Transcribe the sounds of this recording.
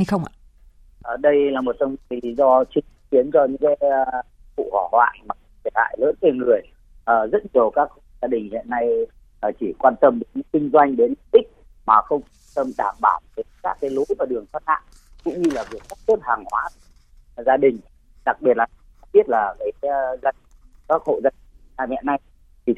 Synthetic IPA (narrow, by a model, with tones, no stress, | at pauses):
ha˧jxə˧wŋ͡ma̰ː˧˨ | ʔəː˨˩ɗə˧jlaː˨˩mo˨˩t̚ə˧wŋ͡mli˨˦zɔ˧t͡ɕï˧ŋki˨˦ənt͡ɕɔ˧ɲɨ̰˧˥ŋkaː˨˦j | fṵ˧˨hɔ˧˩hwa̰ː˧˨nmaː˨˩˧t̪ʰi˧˩ha̰ː˧˨jlə̰ː˧˦˥nte˧nŋɨ˨˩əj | ʔəː˨˩zə̰˦˥t̚ɲi˨˩ə˨˩wkaː˦˥k̚hu˧zaː˧ɗï˨˩ŋ̟hḭ˧˨ənːa˧j | əː˨˩t͡ɕi˧˩kwaː˧nt̪ə˧mɗɨ˨˩˦ɲ˧˦ŋkï˧ŋ̟zwa˧jŋ̟ɗe˨˦nlɗï˦˥k̚ | maː˨˩xə˧wŋ͡mka˧nt̪ə˧mɗaː˧˩mɓaː˧˨˩w̚ve˨˦kaː˦˥kːaː˨˦jlu˨˦jvaː˨˩ɗɨ˨˩əŋfaː˦˥t̚ha̰ː˧˨ | kʊ̰˧˥ŋ͡mɲɨ˧laː˨˩vi˨˩ək̚ka˦˥t̚t̪o˦˥t̚haː˨˩ŋhwaː˨˦˧ | zaː˧ɗï˨˩ŋ̟ | ɗa˨˩k̚ɓi˨˩ət̚laː˨˩˨ɓi˦˥ət̚laː˨˩kaː˨˦jza˧nkaː˦˥k̚ho̰˧˨zaː˧i˨˩ŋ˨na̰ː˧˩hḭ˧˨na˧j | t̪ʰi˨˩